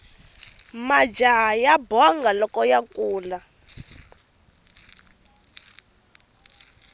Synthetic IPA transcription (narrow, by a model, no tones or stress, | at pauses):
mad͡ʒajabɔŋɡalɔkɔjakʼuːla